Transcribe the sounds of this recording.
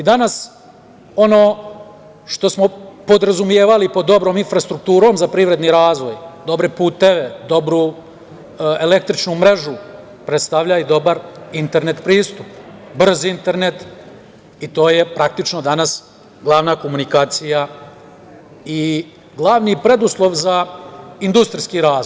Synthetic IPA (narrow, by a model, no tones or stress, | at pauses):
id̪anas | o̞noː | ʃt̪o̞smo̞po̞d̪ɾazumije̞ːʋalipod̪ːo̞bɾoːminfɾast̪ɾuk̚t̪uːɾo̞ːmzapɾiʋɾe̞d̪niɾaːzʋo̞jd̪o̞bɾepuːt̪e̞ʋe̞d̪o̞bɾu | ele̞k̚t̪ɾit͡ʃnumɾe̞ʒu | pɾet̪st̪aʋʎaid̪o̞baɾint̪e̞ɾne̞t̪pɾiːst̪upbr̩zint̪e̞ɾnet̪ | it̪o̞ːje̞pɾak̚t̪it͡ʃno̞d̪anas | ɡlˠaʋnaːko̞munikaːt̪sija | i | ɡlˠaʋnipɾe̞d̪uslˠo̞ʋzaind̪ust̪ɾiskiɾaːzoj